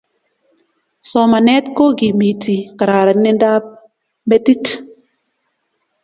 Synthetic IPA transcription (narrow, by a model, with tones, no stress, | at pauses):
sɔ˨ma˨nɛ˦tko˦ɡi˨mi˨tʰi˨ka˨ɾa˨ɾa˨nɪ˦nda˦p̚ | me˦ti˦t